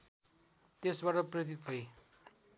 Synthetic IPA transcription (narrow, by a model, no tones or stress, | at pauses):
t̪esbaʈʌprʌt̪̬it̪ɦʌj